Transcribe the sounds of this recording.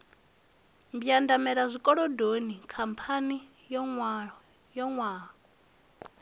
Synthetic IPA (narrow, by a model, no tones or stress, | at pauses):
mbjandamɛɺazʷikʼɔɺɔdonikʰampʰani | jɔŋw | jɔŋwaː